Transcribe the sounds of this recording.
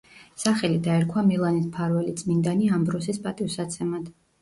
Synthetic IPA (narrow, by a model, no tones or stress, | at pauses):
saχɛlid̪aɛɾkʰwamilˠanispʰaɾwɛlit̪sʼmind̪aniambɾɔs̬ispʼat̪ʼivsat̪sʰɛmad̪̥